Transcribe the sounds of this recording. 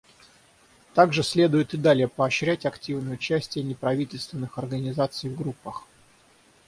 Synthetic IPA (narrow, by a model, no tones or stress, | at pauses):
t̪aɡʐɨsʲlʲe̞d̪ʊjʊt̪ɨd̪alʲɪjəpəɐɕɾʲætʲɐktʲivnəjəʊt͡ɕæsʲtʲɪjənʲɪpɾɐvʲitʲɪlʲst̪vʲɪnːɨxɐrɡənʲɪzat̪sɨjvɡɾupːəx